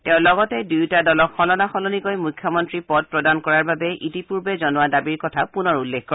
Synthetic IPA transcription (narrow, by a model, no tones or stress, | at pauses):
tɛʊ̃lɔɡɔtɛdujtadɔlɔkxɔlɔnaxɔlɔnikojmujkʰːjɔmɔntɹipɔd̚pɹɔdankɔɹaɹbabɛʔitipuɹbɛzɔnʊwadabiɹkɔtʰapunɔɹulːekkːɔɹ